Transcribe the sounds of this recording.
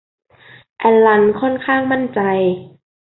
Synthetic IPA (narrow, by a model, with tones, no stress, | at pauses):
ʔɛ˧nla˧nkʰɔ˥˨nkʰaː˥˩ŋma˥˨nt͡ɕa˧j